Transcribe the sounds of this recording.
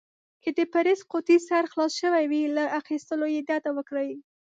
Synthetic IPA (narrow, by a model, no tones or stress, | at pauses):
kəd̪əpaɾesqot̪isaɾxlɑsʃəwajwilaʔaxist̪əlojed̪ɑt̪awəkɽaji